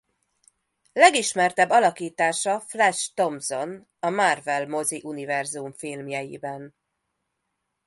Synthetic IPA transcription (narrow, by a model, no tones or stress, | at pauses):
lɛɡiʃmɛrt̪ɛbːɒlɒkiːt̪aːʃɒflɛʃt̪o̞mzo̞n | ɒmarvɛlmo̞ziʔunivɛrzumfilmjɛjḭbɛn